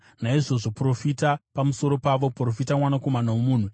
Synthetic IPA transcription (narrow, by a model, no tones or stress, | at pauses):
naiʐo̞ʐo̞pro̞fitapamuso̞ɾo̞paʋo̞pro̞fitamwanako̞manawomuːn̤u